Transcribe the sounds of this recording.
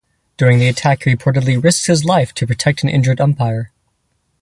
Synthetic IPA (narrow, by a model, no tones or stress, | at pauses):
d̥ʊɹɪ̃ŋðiɨtʰækhipʰɔɹɾɨdˡliɹɪskshɨzlaɪftʰɨpʰɹ̥ɨtʰɛk̚tn̩ʔɪ̰̃nd͡ʒə˞ɾɛ̃mpʰaɪə˞